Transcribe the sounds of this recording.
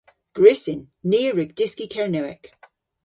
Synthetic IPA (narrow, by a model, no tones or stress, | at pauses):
ɡ̥ɹɪsɪnːiːəɹʉɡ̚d̥ɪskikʰɛɹnəɛ̰k